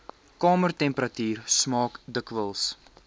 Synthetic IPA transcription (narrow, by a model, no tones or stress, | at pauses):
kɑːmərtɛmpəɾɐtyːrsmɑːkdəkvəlˠs